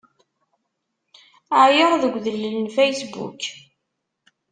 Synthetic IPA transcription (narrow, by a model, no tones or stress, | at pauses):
aʕjəɾˤðəɡʷðələlənfæjsbṵk